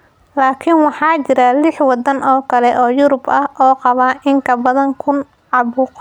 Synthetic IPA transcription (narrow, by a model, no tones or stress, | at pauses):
laːkʰɪnwɑħɑːt͡ʃɪɾalɪħwɑd̪ɐnɔːkʰɐlɛʔɔːjʊɾʊbɐhʔɔːqɑβaːʔɪŋkʰɐbɐðɐŋkʰʊn | ʕɑβuːq